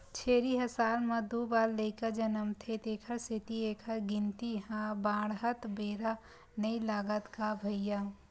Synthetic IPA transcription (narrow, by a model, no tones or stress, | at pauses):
t͡ʃʰeːɾiɦəsaːlmɐd̪ubaːlːəkəd͡ʒənəmt̪ʰet̪eːkʰəɾsit̪ieːkʰəɾɡint̪iɦãbãːɽɦət̪beɾa | nəilaːɡət̪kabʱəjja